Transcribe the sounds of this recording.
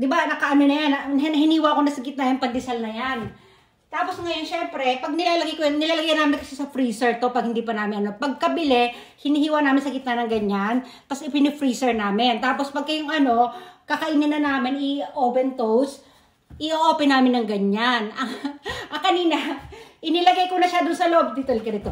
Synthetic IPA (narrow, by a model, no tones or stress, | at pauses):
d̪ɪbanɐkɐʔɐnonɐjanɐnnɐɦɪniːwako̞nɐsɐɡɪt̪najɐnpɐnd̪ɪsɐlnɐjan | t̪aːposŋɐjonʃɛmpɾɛpɐɡ̚nɪlaːlɐɡɪkojnɪlaːlɐɡɪkɐnaːmɪnkɐsɪsɐfɾiːsɛɹt̪o̞pɐɡ̚hɪnd̪iːpɐnaːmɪnɐno̞pɐɡ̚kɐbɪlɛ | hɪnihiːwɐnaːmɪnsɐɡɪt̪nanɐŋɡɐɲːanpɐsɪpɪnɪfɾiːsɛɹnaːmɪnt̪aːpo̞spɐɡ̚kɐjoŋɐno̞kɐkɐʔɪnɐnːɐnaːmɪnɪʔoːpɛnt̪ows | ʔɪʔoʔoːpɛnaːmɪnːɐŋɡɐɲanʔɐŋʔɐŋkɐniːnɐʔɪnɪlɐɡajkonɐʃad̪ʊnsɐloʔob̚d̪it̪ɛlkɐnɪt̪o̞